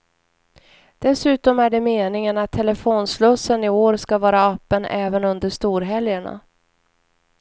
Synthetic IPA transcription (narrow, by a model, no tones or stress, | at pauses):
d̪̥ɛsʉ̟ːt̪ɔmæɖɛmeːnɪŋənat̪ʰːɛlɛfoːnslɵsːənɪoːɾskavɑːɾaapːənʔɛːvənɵnd̪əʂt̪uːɾɦɛljəɳa̰